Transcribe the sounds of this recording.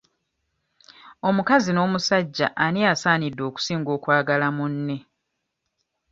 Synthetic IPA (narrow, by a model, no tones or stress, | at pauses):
o̞mukazino̞ːmusaɟːa̰ʔːniasaːnidːo̞ːku̥siːŋɡo̞ːkwaːɡalamunːe̞